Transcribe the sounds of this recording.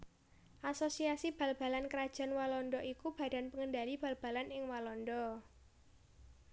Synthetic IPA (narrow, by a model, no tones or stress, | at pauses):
ʔasosiasib̥ä̤lb̥a̤lankəɾad̥ʒ̥a̤nwalɔndɔʔikub̥ä̤d̥a̤npəŋəndalib̥a̤lb̥a̤lanɪŋwalɔndɔ